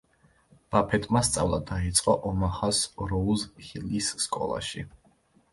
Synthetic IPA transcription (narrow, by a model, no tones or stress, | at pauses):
b̥apʰɛt̪ʼmast̪sʼavlˠad̪ait̪sʼqʼɔʔɔmaχasɾɔuzhilisːkʼɔ̰lˠa̰ʃi